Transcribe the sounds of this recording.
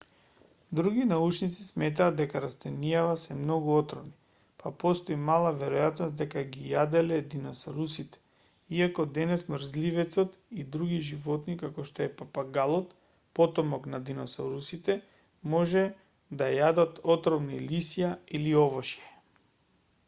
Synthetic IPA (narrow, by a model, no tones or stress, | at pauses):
d̪ɾuɡinaut͡ʃnit̪sismɛt̪̬aːd̪ɛkaɾast̪ɛnijavasɛmnoɡuɔt̪ɾɔvni | papɔst̪oimalˠavɛɾɔjat̪nɔst̪̚d̪ɛkaɡijad̪ɛlɛd̪inɔsaɾusit̪ɛ̥ | iakɔd̪ɛnɛsmɾzlivɛt̪sɔt̪id̪ɾuɡiʒivɔt̪nikakɔʃt̪oɛpapaɡalˠɔt̪ | pɔt̪ɔmɔknad̪inɔsɔɾusit̪ɛ | mɔʒɛ | d̪ajad̪at̪ɔt̪ɾɔvnilisijailiɔvɔʃjɛ